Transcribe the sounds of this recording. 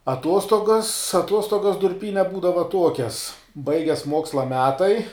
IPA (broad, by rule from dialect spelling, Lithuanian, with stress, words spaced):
ɐˈtuɔstoːɡɐs ɐˈtuɔstoːɡɐs dʊrʲˈpʲiːnʲɛ ˈbuːdɐʋɐ ˈtuɔkʲɛs ˈbɐɪɡʲɛs ˈmuɔkslˠɐ ˈmʲæːtɐɪ